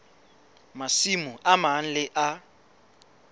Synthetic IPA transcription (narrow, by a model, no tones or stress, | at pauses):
masimʊʔaman̩lɪʔa